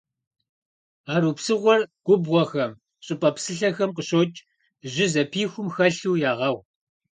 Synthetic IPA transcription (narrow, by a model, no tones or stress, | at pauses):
aːɾuːpsɨʁʷɔrɡ̥ʷʊbwɔxɐm | ɕʼɪpʼɐpsɨɬɐxɐmqəɕʼoːt͡ʃʼ | ʑɪzɐpʰiːxʷʊmxɐɬuːjaːʁɐw